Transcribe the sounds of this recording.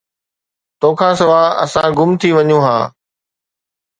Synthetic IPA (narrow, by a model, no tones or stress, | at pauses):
t̪oːkʰãːsɐʋaːɐsãɡʊmt̪ʰiʋɐɲũɦã̰ː